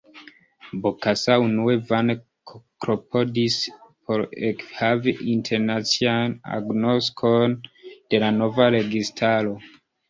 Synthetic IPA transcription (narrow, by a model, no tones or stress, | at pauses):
bokasaunuevan | kkɾopʰodispʰoɾekhaviʔintʰe̞ɾnat͡siana̰ɡnoskʰond̥e̞lano̞vaɾe̞ɡistʰaɾo̞